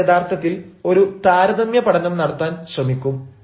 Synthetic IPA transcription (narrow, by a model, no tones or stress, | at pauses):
ed̪aːrt̪ʰɐt̪ːilo̞ɾut̪aːɾɐðɐmjɐpɐɽɐnɐmnɐɽɐt̪ːaːnɕrɐmikʲːum